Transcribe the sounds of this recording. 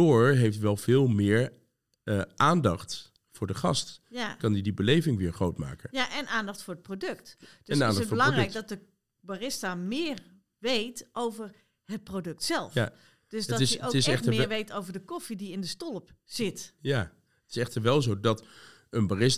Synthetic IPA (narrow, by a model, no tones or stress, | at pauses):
ʊːɹɦejftʋɛlˠv̥ɪːlˠmɪːɹ | əʔaːndɑχt | fʊːɹdəχɑ̰stkɑndidibəlejvɪŋʋɪːɹχrowtma̰ːkənjaʔɛnʔaːndɑχtfʊːɹət̚prodøktd̥ɛnnaːndɑfbəlɑŋrdɛjɡdɔt̚də | barɪstamɪːər | ʋejtʔowvər | ɦət̚prodɵk̚tsɛlˠfja | d̥øsdɔɪsotɪsɛχtəmɪɹʋejtowvərdəkɔfidiɪndəstɔlˠəpz̥ɪtja | ətɪ̥sɛχtəɹʋɛlˠzowdɑt | ənbarɪs